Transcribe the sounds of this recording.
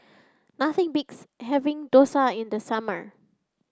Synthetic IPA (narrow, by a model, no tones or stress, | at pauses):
naθɪ̃ŋbɪkshɛvɪ̃ŋdosaɪ̃ndəsamə̰ɹ